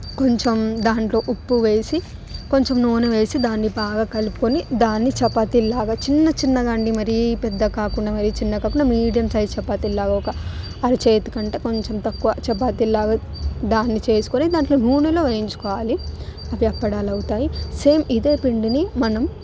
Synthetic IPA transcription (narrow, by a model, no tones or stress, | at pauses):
ko̞ɲt͡ʃemd̪aːɳʈlo̞ːʔupːuʋe̞ːsi | ko̞ɲt͡ʃemnuːnuʋe̞ːsid̪aːnːibaːɡaːkɐlupu̥konid̪aːnːit͡ʃɛpːat̪ilaːɡaːt͡ʃinːɐt͡ʃinːɐɡaːɳɖimɐɾipɛd̪ːɐkaːkuɳɖaːmɐɾit͡ʃinːɐkaːkuɳɖamiːɽijɐmsɐjd̪t͡ʃɛpːaːt̪ilːaːɡaɔkɐ | ɐɾit͡ʃeːt̪u̥kɐɳʈe̞ːko̞ɲt͡ʃemt̪ɐkːuʋɐt͡ʃɛp̬ːaːt̪ilaːɡaː | d̪aːnːit͡ʃe̞ːsu̥konid̪aːɳlo̞ːnuːnulo̞ːʋejiɲt͡ʃu̥kɔːʋaːli | ɐʋjɐpːɐɽaːlɐwut̪aːjiseːmid̪e̞ːpiɳɖinimɐnɐm